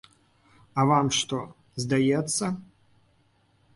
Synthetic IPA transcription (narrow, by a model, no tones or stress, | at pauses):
ɐvamʂt̪ɔ | zd̪ajɛt̪sːɐ